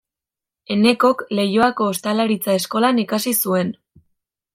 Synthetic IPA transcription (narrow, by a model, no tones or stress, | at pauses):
e̞ne̞ko̞kle̞joako̞ːst̪alaɾit͡sae̞sko̞lanikasisue̞n